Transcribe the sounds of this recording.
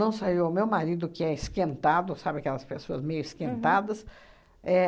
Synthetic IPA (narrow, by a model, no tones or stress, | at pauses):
ɐ̃w̃saiwamewmaɾid̪ʊkɪɛɪskẽnt̪ad̪ʊsabɪakɛlɐspesoɐzmejʊɪskẽnt̪ad̪ɐs | ɛ